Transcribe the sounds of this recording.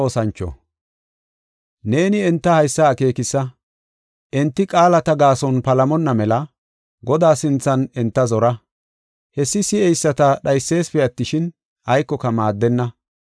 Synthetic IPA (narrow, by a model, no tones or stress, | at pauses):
oːsɐnt͡ʃːɔ̰ | ne̞ːnɪɛnt̪ːɐhɐjsːɐːke̞ːkɪsːɐ | ʔɛnt̪ːɪkʼaːlɐt̪ɐɡaːsɔnpɐlɐmɔnːɐmɛlɐ | ɡɔd̪aːsɪnt͡sːɐnɛnt̪ːɐzɔɾɐ | hɛsːɪsɪɛjsːɐt̪ɐɗɐjsːe̞ːspɛɐt̪ːɪʃɪn | ɐjkːɔkɐmaːd̪ːɛnːɐ